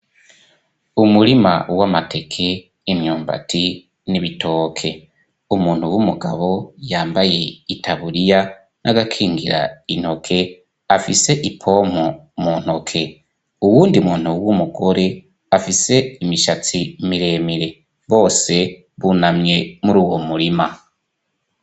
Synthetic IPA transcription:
umuɾima̰wamate̞kʰe̞ | imɲoːmba̰tʰi | niβitʰo̞ːkʰe̞ | umuːn̥huwumuɡa̰βo̞jaːmbaje̞itʰaβuɾija | nʔaɡakʰiːŋɡiɾa̰in̥ho̞kʰe̞ | afise̞ʔipʰo̞m̥o | muːn̥ho̞kʰe̞ | uwuːndiumuːn̥uwumuɡo̞ɾe̞ | afise̞imiʃat͡simiɾe̞ːmiɾe̞ | βo̞ːse̞ | βunamɲe̞muɾuːwomuɾima

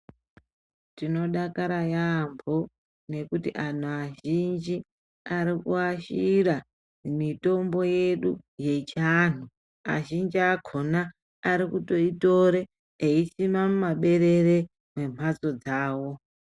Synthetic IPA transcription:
tino̞ɗakaɾajambo | ne̞kutḭʔan̤uaʒind͡ʒi | aɾikuaʃira | mito̞mbo̞je̞ɗuje̞t͡ʃaːn̤u | a̰ʒind͡ʒiakʰo̞naː | ɾikuto̞ito̞ɾeː | isimamumaɓe̞ɾe̞re | mwe̞m̤ʱwat͡so̞d͡zaːwo̞

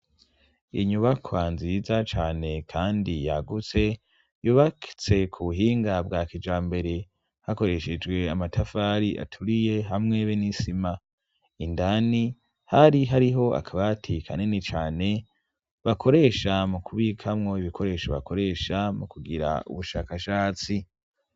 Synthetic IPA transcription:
ḭɲuβakʰoanzizat͡ʃaːne̞kʰaːndijaɡut͡se̞ | juːβaki̥t͡se̞kʰuβuɦiːŋɡabɡakid͡ʒaːmbe̞ɾe̞ | hako̞ɾe̞ʃed͡ʒɡwe̞amatʰafaːɾiʔa̰tʰuɾije̞ɦamŋe̞βenisima | indani | haɾiɦaɾiɦo̞ʔa̰kʰaβatʰikʰa̰nenit͡ʃaːne̞ | βakʰo̞ɾe̞ːʃamukʰuβiːkʰamŋo̞iβikʰo̞ɾe̞ːʃoβa̰ko̞ɾe̞ʃamukuɡiɾa̰ṵβuʃaːkaʃaːt͡si

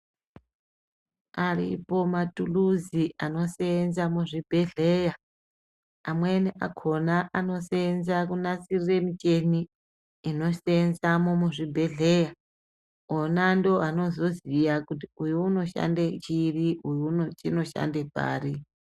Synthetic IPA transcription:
arḭpo̞matʼuluziʔano̞senzamuʐibʱeɮeja | amweniʔa̰kʰonaʔano̞senzakunasiriremit͡ʃeniː | no̞senzamomuʐibʱeɮeːja | onandoɦano̞zo̞zijakutiujuuno̞ʃa̰ndet͡ʃiriʔujuunot͡ʃino̞ʃa̰ndepʼa̰ːɾi

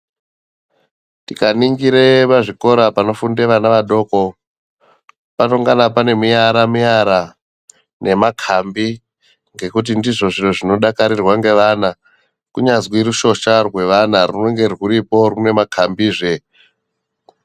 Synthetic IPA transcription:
tikaniŋɡiɾepaʐiko̞ɾapano̞fundeʋanaʋaɗo̞ːko̞ | pano̞ŋɡanapane̞mijaɾamijaɾa | nʔe̞makʰambi | ŋɡe̞kut̬indiʐo̞ʐiro̞ʐino̞ɗakaɾirwaŋɡe̞ʋana | kuɲazwiɾuʃo̞ʃarwe̞ʋanaruno̞ŋɡe̞rwuɾipo̞rune̞makʰambiːʐe̞

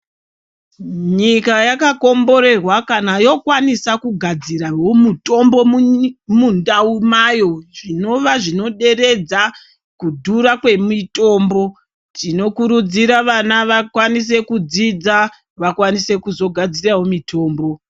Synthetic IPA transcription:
ɲikajakako̞mbo̞ɾe̞rwakanajo̞kwanisakuɡʱad͡ziraɦomuto̞mbo̞mmundaumajo̞ʐino̞ʋaʐino̞ɗe̞re̞d͡za | kudʱuɾakwe̞mito̞ːmbo̞ | tino̞kuɾud͡ziɾaʋanaʋakwanis̬e̞kud͡zid͡za | ʋakwanise̞kuzo̞ɡʱad͡ziraɦo̞mitʰo̞ːmbo̞

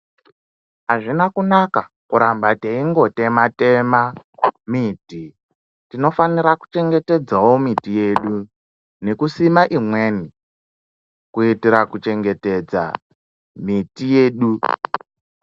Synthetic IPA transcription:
ɦaʐinakunaka | kuɾambateiŋɡo̞te̞mate̞mamiti | tino̞faniɾaku̥t͡ʃe̞ŋɡe̞te̞d͡zawo̞mitije̞ːɗu | ne̞kusimaʔimwe̞ːni | kuitiɾakut͡ʃe̞ŋɡe̞te̞d͡za̰ | mitije̞ːɗu

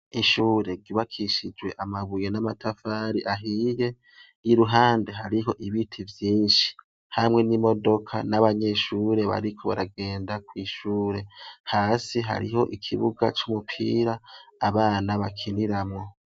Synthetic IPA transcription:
iʃuːɾe̞ɾɟuβakʰiʃid͡ʒwe̞ʔamaβujenamatʰafaːɾiʔaɦije̞ | jiɾuɦaːnde̞ɦaɾiɦo̞ʔiβitʰivjiːnʃi̥ | hamŋe̞nimo̞do̞kʰa̰naβaɲe̞ʃuːɾe̞βa̰ɾikʰo̞βaɾaɡe̞ːndakwiːʃuːɾe̞haːsiɦa̰ɾḭɦo̞ʔikʰiβuɡat͡ʃumupʰḭːɾaːβaːnaβakʰiniɾamŋo̞

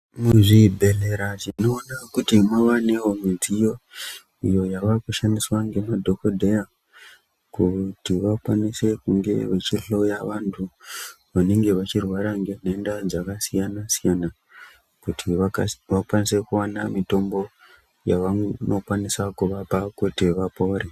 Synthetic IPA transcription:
muʐibʱe̞le̞ɾatino̞ːnakutimwaʋane̞ɦo̞mizijo̞ | ijo̞jaʋakuʃaniswaŋɡe̞madʱo̞kodʱe̞ja | kutiʋakwanise̞kuŋɡe̞̰ʋe̞t͡ʃiɬo̞jaʋantʰu | ʋaneŋɡe̞ʋat͡ʃirwaɾaŋɡe̞ne̞ndad͡zakasijanasijana | kutʰiʋakwanise̞kuwanamito̞mbo̞ | jaʋano̞kwanisakuʋapakutiʋapo̞ːɾe

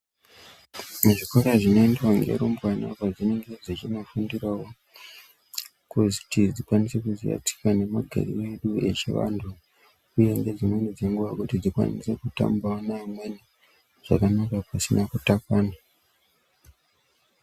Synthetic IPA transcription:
muʐikoɾaʐino̞indewaŋɡḛɾombwana̰vad͡zine̞ŋɡe̞d͡zit͡ʃino̞fundirawo̞ | kutid͡zikwanise̞kuzḭja̰ti̥kane̞maɡʱa̰ɾḭwe̞ɗue̞t͡ʃḭʋa̰ntʰu | uje̞ŋɡe̞d͡zimwenid͡zeŋɡuʋakutid͡zikwa̰nḭse̞kuta̰mbaonaimwe̞ni | ʐ̥akanakapasinakutakwaːna

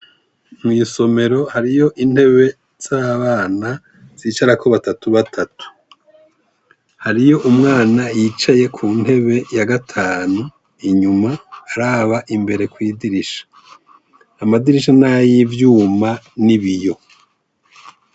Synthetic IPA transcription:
mwiːso̞me̞ɾo̞haɾijo̞ʔin̥he̞βe̞ | z̥aːβaːna | z̥iːt͡ʃaɾakoβatatuβatʰatu̥ | haɾijo̞ʔumŋaːnajit͡ʃaje̞kʰuːn̥he̞βe̞jaɡatʰaːnu | iɲumaːɾaːβaʔimbe̞ɾe̞kwiːdiɾiʃḁː | madiɾiʃanajivjuːmaniβijo̞

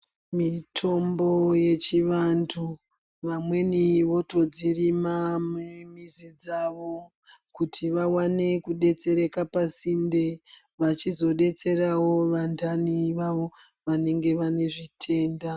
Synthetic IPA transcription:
mitʰo̞mboje̞t͡ʃiʋantʰu | ʋamwe̞niʋo̞to̞d͡zirimamumizid͡zaʋo̞ | kutʰiʋawane̞kuɗe̞t͡se̞ɾe̞kapasinde | ʋat͡ʃizo̞ɗe̞t͡se̞ɾawo̞ʋandʰʱaniʋaʋo̞ | ʋane̞ŋɡe̞ʋane̞ʐitʰe̞ːnda

